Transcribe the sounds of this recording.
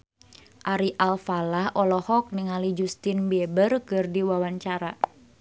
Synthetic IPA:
ʔaɾiʔalfalahʔɔlɔhɔk̚niŋalid͡ʒust̪inbɛbərkɨrdiwawaɲt͡ʃaɾa

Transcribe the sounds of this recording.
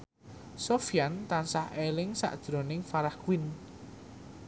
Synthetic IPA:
sofijant̪ansahelɪŋsa̰ʔd̥ʒ̥ɾonɪŋfaɾahkwin

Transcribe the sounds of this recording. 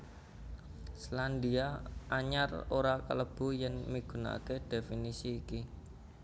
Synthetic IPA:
sland̪iaʔaɲaroɾakə̰ləb̥ṳjaŋmiɡ̥ṳna̰ked̥efinisiːki

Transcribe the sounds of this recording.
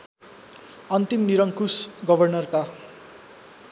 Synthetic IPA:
ʌnt̪imniɾʌŋkusɡʌbʱʌrnʌrka

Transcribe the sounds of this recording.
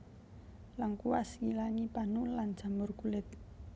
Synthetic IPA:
laŋkuwaskilaŋipanuland̥ʒ̥a̤mʊrkulɪt̪̚

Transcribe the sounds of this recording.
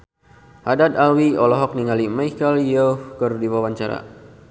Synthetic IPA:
hadad̪awiɔlɔɦɔk̚niŋalimajkəljohkərdiwawaɲt͡ʃaɾa̰

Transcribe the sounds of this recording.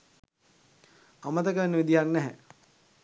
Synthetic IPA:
amət̪əkəʋenːəʋid̪ijaŋnɛɦɛ

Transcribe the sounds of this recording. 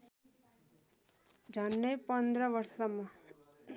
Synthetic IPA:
d͡ʒʱʌnːʌjpʌnd̪ɾʌʋʌɾsʌ̥sʌmːʌ

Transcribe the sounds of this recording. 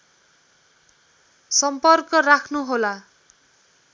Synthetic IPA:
sʌmpʌrkʌrakʰnuɦola

